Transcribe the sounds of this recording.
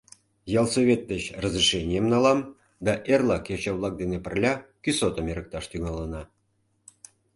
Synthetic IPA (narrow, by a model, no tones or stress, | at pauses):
jɑlˠsoβʲet̪̚d̪ət͡ɕrəzriʃenʲiemnɑlɑm | d̪ɑʔerlˠɑket͡ɕɑβlˠɑk̚d̪enepə̆rlʲɑkysot̪əmeɾək̚t̪ɑʃt̪yŋɑlənɑ